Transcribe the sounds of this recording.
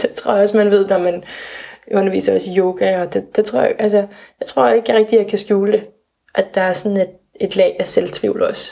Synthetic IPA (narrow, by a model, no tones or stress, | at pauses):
d̥et͡sʰʁo̝ɐ̰ɒ̽smænʋe̝ð̞̰ˠnɒmænʔɔ̽nɐʋḭːsɐɒ̽sijo̝ːɡ̥æɒ̽d̥ed̥et͡sʰʁo̝ɐ̰j̰ʔælsɐjɑ̈ɪt͡sʰʁo̝ɐ̰e̝ɡ̥əʁeɡ̥̚d̥ijɑ̈ɪkʰæsɡ̥juːld̥e̝ | ʔæd̥ɑ̈æɐsɒ̽ne̝d̥ | e̝d̥lɛ̰ːdæselt͡sʰʁḭːʊlɒ̽s